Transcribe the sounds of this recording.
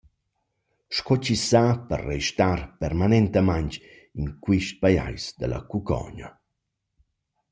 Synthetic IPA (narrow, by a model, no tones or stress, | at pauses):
ʃkɔt͡ʃisapə̰rːejʃt̪arpɛrmanɛnt̪əmaɲt | inkwiʃt̪̚paja̰jsd̪əla̰kukɔ̰ɲa̰